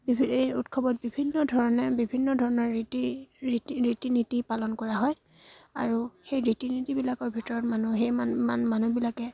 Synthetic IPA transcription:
bibʱiejutkʰɔbɔt̚bibʱinːɔdʱɔɹɔnɛbibʱinːɔdʱɔɹɔnɔɹitiɹitiɹitinitipalɔnkɔɹaɦɔj | a̰ɹuxejɹitinitibilakɔɹbʱitɔɹɔtmanuxejaamanubilakɛ

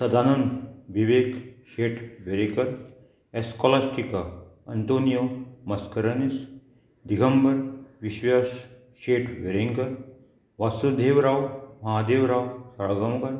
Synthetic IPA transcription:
sɐd̪ʱaːnɐnʋiʋeːkʃeːʈʰʋeɾikɐɾ | eskɔlasʈika | ɐnt̪oːnijomɐskɐɾɐnis | d̪iɡʱɐmbɐɾʋiʃʋaʃ | ʃeːʈʰʋeɾiŋɡɐɾ | ʋasud̪ʱeːʋɾaːwmɐɦaːd̪eːʋɾaːwsɐɾaɡɐmɡɐɾ

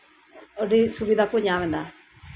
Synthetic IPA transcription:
oɖisubid̪ʱakoɲãʋɛ̃nd̪a

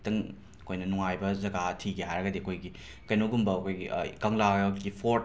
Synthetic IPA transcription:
tɐŋ | ɐkʰojnɐnuŋajbɐzɐɡatʰiɡeɦajɾɐɡɐdiɐkʰojɡi | kɐjnowɡumbɐːkʰojɡikɐŋlaɡipʰoɾ

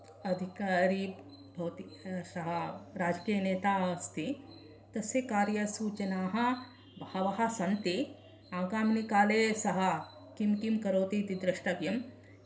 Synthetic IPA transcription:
ɐd̪ʱikaːɾi | bʱɐwt̪isɐɦɐɾaːd͡ʒkijɐneːt̪aːst̪ʰi | t̪ɐsjɐkaːɾjɐsuːt͡ʃɐnaːɦɐ̆ | bɐhɐʋɐɦɐ̆sɐnt̪i | aːɡaːmnikaːleːsɐɦɐ | kimkimkɐɾoːt̪it̪id̪ɾɪʃʈɐʋjɐm

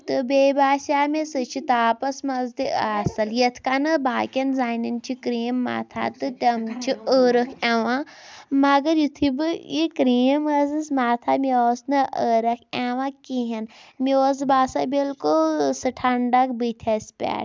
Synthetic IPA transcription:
t̪ɨbeːbaːsʲaːmesɨt͡ʃʰit̪aːpɐsmɐzd̪iaːsɐljɐt̪ʰkanɨbaːkʲɐnzaːnint͡ʃʰikɾiːmːa̰ːt̪ʰa̰ːt̪ɨʈɐmt͡ʃʰiəːɾɐkʰeʋãːmɐɡɐɾjut̪ʰibɨikɾiːmɐzɨsmaːt̪ʰamioːsnɐʔəːɾɐkʰeʋãːkiɦɐnmioːs̬baːsɐbʲelkusɨʈʰɐɳɖɐkbɨt̪ʲʰɐsʲpʲa̰ːʈ

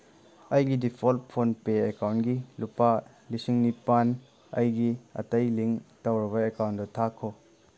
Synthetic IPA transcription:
ʔɐjɡidipʰɔlpʰːonpeekawnɡilupa | lisiŋnipan | ʔɐjɡiɐ̰tɐjliŋtawɾɐbaekawntɔt̪ʰakʰɔ

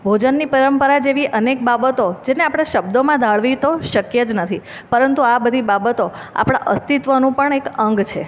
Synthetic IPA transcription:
bʱod͡ʒənːipəɾəmpəɾad͡ʒeʋiʔənek̚babət̪od͡ʒeneapɽ̃aʃəbd̪omãd̪ʱaɭʋit̪oʃəkjəd͡ʒnət̪ʰi | pəɾənt̪uabəd̪ʱibabət̪o | a̰pɽ̃a̰ʔəst̪it̪ʋənũpəɳekəŋɡt͡ʃʰḛ

